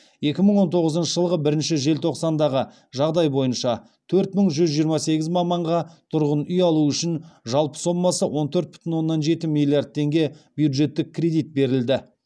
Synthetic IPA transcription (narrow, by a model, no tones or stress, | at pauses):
je̞kʲɪməɴwo̞nt̪ʰo̞ʁəzənʃəʒəlˠʁəbɪɾɪnʃɪʒe̞lt̪ʰo̞qsɑnd̪ɑʁə | ʒɑʁd̪ɑjbo̞jənʃɑ | t̪ʰɵɾt̪məɴʒʏzʒijəɾmɑse̞ɡʲɪzmɑmːɑɴʁɑt̪ʰʊɾʁənʏjɑlˠuʏʃɪnʒɑlˠpə̥so̞mːɑsəwo̞nt̪ʰɵɾt̪̚bʏ̥t̪ʰɪnwo̞nːɑnʒe̞t̪ɪmilˠijard̪̚t̪ʰːe̞ŋɡʲe̞b̥jud̪ʒe̞t̪ːɪk̚ʲkʰːrʲe̞d̪ijt̪̚be̞ɾɪld̪ɪ